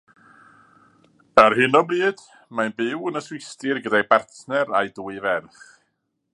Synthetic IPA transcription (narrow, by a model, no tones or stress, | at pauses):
arɦɪnɔbriːd̥ | manbɪwənəswɪstɪrɡədajbartʰnɛɾajduːɨvɛrθ